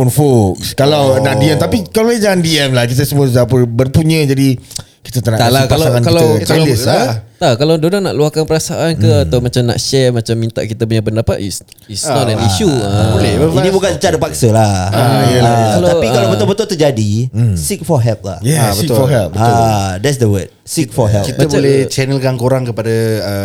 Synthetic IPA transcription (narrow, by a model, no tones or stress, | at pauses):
unfokkalawnaʔdiɛmt̪apikalid͡ʒaŋandiɛmlahkit̪əsəmusd͡ʒapənbərpuɲə̃d͡ʒadi | ki̥t̪ət̪ənãʔt̪alakaaaŋankailakalisat̪akalawdodana̰ʔluahkanpəɾasaʔankəat̪awmat͡ʃamna̰ʔʃɛmat͡ʃamːĩnt̪a̰ʔkit̪ap̬uɲapəndapa̰t̪ḭs | isnɔtɛniʃubolɛbəinibukanət͡ʃadəpaksəlahaaatalaaikalabət̪ʊbət̪ʊlt̪əd͡ʒadisik̚fɔɦɛlp̚la̰hjɛsbək̪fɔɦɛlp̚bəadɛts̬dəwət̚sik̚fɔɦɛlkitmabolɛht͡ʃɛnəlkankoɾaŋkəpadaə